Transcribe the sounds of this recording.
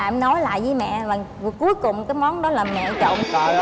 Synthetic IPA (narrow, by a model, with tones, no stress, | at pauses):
aː˧˨mnɔ˨˦jla̰ː˧˨jvəː˨˦jmɛ̰˧˨vaː˨˩ŋ˨˩ku˨˦jkʊ˨˩ŋ͡mkaː˨˦jmɔ˨˦nɗɔ˨˦laː˨˩mɛ̰˧˨t͡ɕɔ̰˧˨nkɔ˨˩